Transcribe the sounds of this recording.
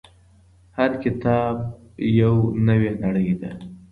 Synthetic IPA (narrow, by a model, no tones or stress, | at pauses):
haɾkɪt̪ɑb̚jawnəwenaɽəjd̪a